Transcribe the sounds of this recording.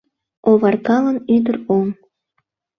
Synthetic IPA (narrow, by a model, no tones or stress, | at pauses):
oβɑrkɑlə̆nyd̪ə̆ɾoŋ